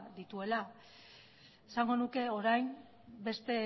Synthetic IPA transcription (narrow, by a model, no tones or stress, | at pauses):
d̪it̪ue̞la | esaŋɡo̞nuke̞o̞ɾajm | be̞st̪e̞